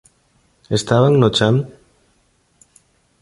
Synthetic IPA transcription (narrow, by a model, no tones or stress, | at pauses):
est̪aβaŋnot͡ʃan